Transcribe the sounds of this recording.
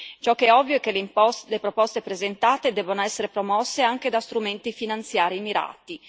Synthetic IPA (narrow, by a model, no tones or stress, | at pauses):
t͡ʃɔkːɛɔvːjoɛk̟ːellepɾopɔst̪epɾezent̪aːt̪ed̪ɛːbonoɛsːeɾepɾomɔsːeaŋk̟ed̪ast̪ɾument̪ifinant̪sjaːɾimiɾa̰ːt̪i